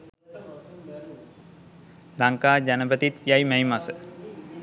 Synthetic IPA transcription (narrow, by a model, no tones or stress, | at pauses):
d̪aŋkaːd͡ʒanəpət̪it̪jajməjmasə